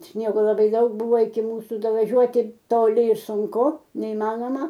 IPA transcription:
ˈsʲnʲiɛɡoː lˠɐˈbɐɪ ˈdɐʊk ˈbʊʋoː ɪkʲɪ ˈmuːsʊ dɐʋɐˈʒʲuɔtʲɪ toːˈlʲɪ ɪ sʊŋˈkʊ nʲɛɪˈmɑːnoːmɐ

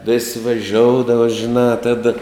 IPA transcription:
ʋʲɪsʲ ʋʲɛˈʒʲoːʊdɐʋɐ ʒʲɪˈnɑː ˈtɑːdɐ

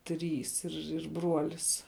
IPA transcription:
ˈtʲrʲiːs ɪr ɪr ˈbruɔlʲɪs

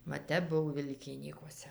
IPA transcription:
ʋɐ ˈtʲɛp ˈbʊw ˈʋʲɪlʲkʲɪnʲiːkuɔsʲɛ

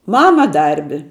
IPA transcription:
ˈmɑːmɐ ˈdɐrʲbʲɪ

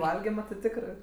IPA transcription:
ˈʋɐlʲɡʲɪmɐ tʲɪ ˈtʲɪkrɜ

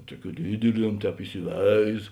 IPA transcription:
ˈtuɔˌkʲuː ˈdʲiːdʲɪˌlʲiɛm ˈtʲɛːp ɪsʲɪˈʋʲɛɪs

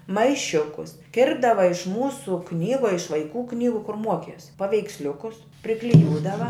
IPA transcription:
mɐɪˈʃʲʊkʊs ˈkʲɪrbdɐʋɐ ɪʃ ˈmuːsʊ ˈknʲiːɡʊ ɐ ɪʃ ʋɐɪˈkuː ˈknʲiːɡʊ kʊr ˈmuɔkʲiɛs pɐʋʲɛɪksʲˈlʲʊkʊs pʲrʲɪklʲɪˈjuːdɐʋɐ

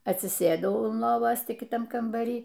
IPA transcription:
ɐtʲsʲɪˈsʲeːdɐʊ ʊn ˈlˠoːʋoːs ˈtʲɪ kʲɪˈtɐm kɐmbɐˈrʲiː

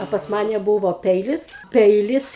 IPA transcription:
ɐ pɐs ˈmɑːnʲɛ ˈbuːʋoː ˈpʲɛɪlʲɪs ˈpʲɛɪlʲɪs

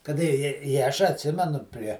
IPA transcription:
kɐˈdɐ ɪ ɪ ɪ ˈɐʃ ɐtʲˈsʲɪmʲɛnʊ pʲrʲiɛ

